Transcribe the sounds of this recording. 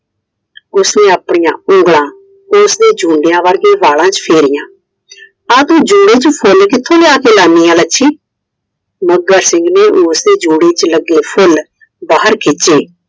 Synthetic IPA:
ʊsnẽːəpɳɪjã̰ːʊ̃ŋɡɭãː | ʊsd̪eːd͡ʒũːɳɖejãːʋəɾɡeːʋaːlãːt͡ʃpʰeːɾɪjãː | aːt̪ũːd͡ʒuːɽeːt͡ʃpʰʊlkɪt̪ʰːõːleaːkeːlaːniːãːləʃʰiː | məɡːəɾsɪ̃ŋɡneːʔʊːsd̪eːd͡ʒuːɽeːt͡ʃləɡːeːpʰʊl | baːɦəɾkʰeːt͡ʃeː

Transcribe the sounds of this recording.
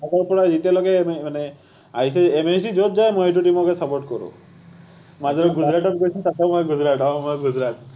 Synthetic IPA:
akɔɾpɔɽad͡ʒit̪elɔɡememane | aɦit͡ʃʰeemet͡ʃʰɖid͡ʒot̪̚d͡ʒaemoeʈ̬uʈimɔkesɔpoɾʈ̚kɔɾṵ | mad͡ʒɔɾɔɡud͡ʒɾaʈɔɾkɔit͡ʃʰit̪at̪ɔmɔeɡud͡ʒɾaʈɔmɔeɡud͡ʒɾaʈ

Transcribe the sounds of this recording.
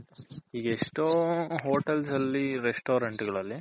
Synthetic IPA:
iːɡɐeʂʈoɦoːʈelsɐlːiɾesʈoːɾɐɳʈuɡɐɭɐlːi

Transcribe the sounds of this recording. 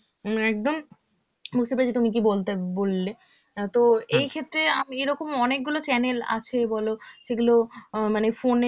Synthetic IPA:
ɛk̚d̪om | bud͡ʑʱt̪epaɾd͡ʑʰit̪umik̬ibolt̪ebolːe | t̪oejkʰet̪ːɾeameɾɔkomɔnek̚ɡulot͡ɕɛnela̰t͡ɕʰebɔloʃeɡulomanefone

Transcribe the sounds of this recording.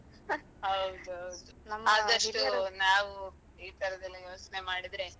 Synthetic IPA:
ɦɐwd̪uɦɐwd̪unaːd̪ɐʂʈunaːʋu | iːt̪ʰɐɾɐd̪ɐlːijo̞ːt͡ʃne̞maːɽid̪ɾe̞

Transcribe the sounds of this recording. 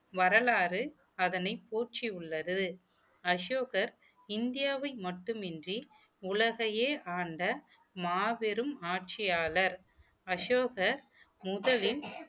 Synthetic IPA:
ʋɐɾɐɭaːɾɯ | ɐðɐnɐɪpːoːrt͡ʃiʊɭːɐðɯ | ɐʂoːɣɐɾ | ɪnd̪ɪjaːʋɐɪmɐʈːɯmɛndri | ʊlɐɣɐjeːʔaːɳɖɐ | maːʋɪɾɯmaːʈ̚t͡ʃɪjaːlɐɾ | ɐʂoːɣɐɾ | mʊðɐlɪl

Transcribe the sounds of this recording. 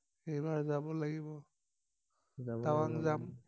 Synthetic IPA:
ejbaɹzabɔlaɡibɔ | tawaŋzam

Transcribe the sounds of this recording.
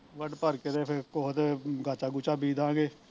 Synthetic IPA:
ʋəɖpəɾkeɾeːpʰkoɦt̪ɡʱaːt͡ʃaːɡʊt͡ʃaːbiːd̪ãːɡeː

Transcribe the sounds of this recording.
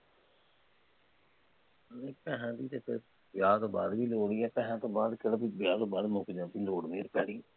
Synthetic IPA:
əleːpɛ̃ːɦãːd̪iːt̪eːpʰɪɾ | bɪjaːt̪õːba̰ːd̪ʋiːloːɽiːɛːpɛ̃ːɦãːt̪õːbaːd̪keɽəbibjaːt̪õːbaːd̪moːkid͡ʒãːt̪iːloːɽʋeːɾpɛ̰ːɽiː

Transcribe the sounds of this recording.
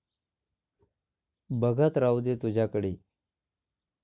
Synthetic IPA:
bəɡət̪ɾawd̪et̪ʊd͡ʑakəɽiː

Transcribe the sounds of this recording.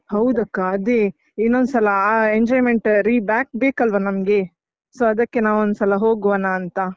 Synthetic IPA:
hɐwd̪ɐkːaɐd̪e | inːond̪usɐlɐeɲd͡ʒɔːjmeɳʈɾiːbjaːk̚beːkɐlʋɐnɐmɡe | soːɐd̪ɐkːe̞naːʋond̪usɐlɐɦoːɡuʋɐnaːnt̪ɐ

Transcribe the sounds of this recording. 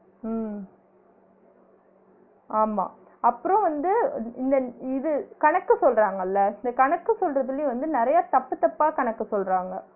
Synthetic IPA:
aːma̰ː | ɐpːɯɾõʋɐnd̪ɯɪnd̪ɐɪðɯkɐɳɐkːɯsɔlraːŋɡɐlːɐɪnd̪ɐkɐɳɐkːɯsɔlrɐðɯlɪjʊ̃ʋɐnd̪ɯnɪɾɐjaːt̪ɐpːɯt̪ːɐpːaːkɐɳɐkːɯsɔlɾaːŋɡɐ

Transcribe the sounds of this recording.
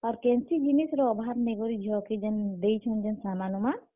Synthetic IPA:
ɔɾkɛnsid͡ʒinisɾɔɔbʱaɾneɡɔɾid͡ʒʱɔked͡ʒɛnd̪ejt͡ʃʰɔnd͡ʒɛnsamanɔma

